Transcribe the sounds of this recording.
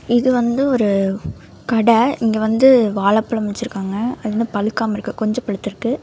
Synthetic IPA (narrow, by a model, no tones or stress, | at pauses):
ɪðɯʋɐnd̪ɯɔɾɯ | kɐɽɐɪŋɡeʋɐnd̪ɯʋaːɭɐpːɐɭɐmɪt͡ʃːɪɾɯkːaːŋɡɐɐðɛnd̪ɯpɐlɯkːaːmɐɪɾɯkːɯkɔɲd͡ʒɔ̃pɐɻɯt̪ːɪɾɯkːɯ